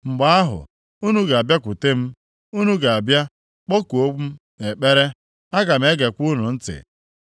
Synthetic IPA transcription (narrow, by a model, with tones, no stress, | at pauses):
ŋ͡m̩˨ɡ͡ba˦a˦ɦʊ̰˨ | u˦nu˦ɡa˨a˨bja˦kʷu˨te˦m̩˦ | u˦nu˦ɡa˨a˨bja˦ | k͡po˦ku˨o˦k͡p̩˦ | e˨k͡pe˦ɾe˦ | a˦ɡa˨m̩e˨˦ɡe˨kʷu˦nʊ˨n̩˦tɪ̰˨